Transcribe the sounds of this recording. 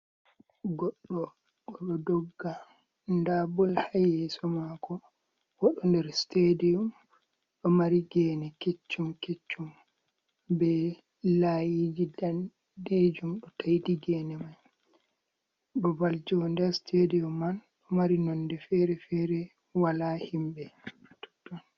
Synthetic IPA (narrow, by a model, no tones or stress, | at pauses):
ɡɔɗːɔ | kɔɓɔdɔɡːa | ndabɔlhajɛsɔmakɔ | wɔɗɔndɛɾstedium | ɗɔmaɾiɡɛːnɛket͡ʃːumket͡ʃːum | bɛ | lajid͡ʒidan | ded͡ʒumɗɔtʰajdiɡɛnɛmaj | ɗɔbald͡ʒɔndɛɾstʰedijumːanɗɔmaɾinɔndɛfɛɾɛfɛɾɛ | walahimbɛtɔ̥tːɔn